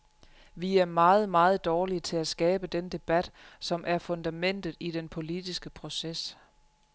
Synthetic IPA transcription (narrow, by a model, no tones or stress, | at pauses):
ʋiæɐmɑ̈ːð̩ˠmɑ̈ːð̞̩ˠd̥ɒːliət͡sʰe̝læsɡ̥ɛːb̥əd̥end̥e̝b̥æd̥sɒ̽mʔæɐfɔ̽nd̥æmen̰d̥ð̩ˠid̥enpʰo̝lid̥isɡ̥əpʰʁo̝ses